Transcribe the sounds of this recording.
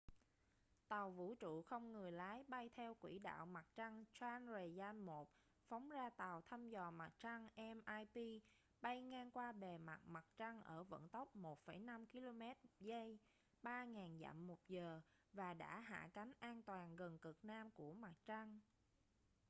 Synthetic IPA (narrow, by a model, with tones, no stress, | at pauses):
t̪a˨˩wvṵ˧˥t͡ɕṵ˧˨xə˧wŋ͡mŋɨ˨˩əjlaː˨˦jɓa˧jt̪ʰɛ˧wkwḭ˧˩ɗa̰ː˧˨wma˨˩k̚t͡ɕa˧ŋt͡ɕwaː˧nzə˨˩zaː˧nmo˨˩t̚ | fa˨˦wŋ͡mzaː˧t̪a˨˩wt̪ʰa˧mzɔ˨˩ma˨˩t̚t͡ɕa˧ŋʔɛ˧mʔaː˧jpi˧ | ɓa˧jŋaː˧ŋkwaː˧ɓe˨˩ma˨˩t̚ma˨˩t̚t͡ɕa˧ŋʔəː˧˩və̰˧˥nt̪ə˦˥wk͡p̚mo˨˩t̚fə˧˩jna˧mki˧lo˧mɛ˦˥t̚zə˧j | ɓaː˧ŋaː˨˩nza̰ː˧˨mːo˨˩t̚zəː˨˩ | vaː˨˩ɗa̰ː˧˥ɦa̰ː˧˨ka˨˦jŋ̟ʔaː˧nt̪waː˨˩nɣə˨˩nkɨ˨˩k̚naː˧mku˧˩əma˨˩t̚t͡ɕa˧ŋ